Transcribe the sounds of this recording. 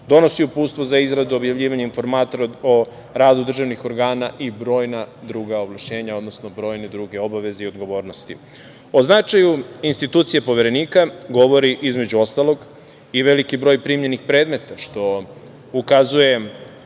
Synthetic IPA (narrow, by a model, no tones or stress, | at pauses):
d̪o̞no̞siupuːt̪st̪ʋozaizɾad̪uo̞bjavʋʎiːʋaɲainfo̞ɾmaːt̪oɾo | ɾaːd̪ud̪r̩ʒaʋnixo̞ɾɡaːnaʔibɾo̞ːjnad̪ɾuːɡaoʋlˠaʃɲe̞ːɲao̞d̪no̞sno̞bɾo̞ːjne̞d̪ɾuɡe̞o̞baʋe̞zeio̞d̪ɡo̞ʋo̞ːɾno̞st̪i | o̞znat͡ʃajuinst̪it̪uːt̪sijepo̞ʋeɾe̞niːkaɡo̞ʋo̞ɾiʔizme̞d͡ʑuo̞st̪alˠo̞ɡ | iʋe̞likibɾo̞ːjpɾimɲe̞nixpɾe̞ːd̪me̞t̪aʃt̪o̞ | ukazuje̞